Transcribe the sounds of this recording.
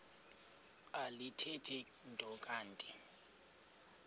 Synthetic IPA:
alitʰɛtʰɛ | ntʼɔkʼaːntʼɛ

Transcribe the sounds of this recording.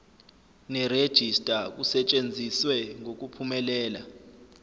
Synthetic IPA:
nɛred̥ʒ̥ʱistʼak̬usɛt͡ʃʼend͡zʱiswɛŋʱok̬ʼupʰumɛlɛːla

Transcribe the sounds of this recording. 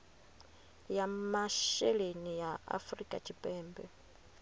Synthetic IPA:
jamaʃɛlenijaa̰frikʼa̰t͡ʃʰipʼɛːmbɛ

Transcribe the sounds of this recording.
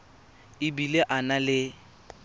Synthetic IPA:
ɪbileʔanalɪ

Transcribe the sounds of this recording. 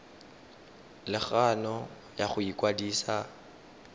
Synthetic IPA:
lɪχanɔ | jaχʊikʼwadiːsa

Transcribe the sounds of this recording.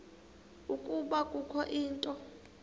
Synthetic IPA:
ukʼuɓakʼukʰɔʔiːntʼɔ

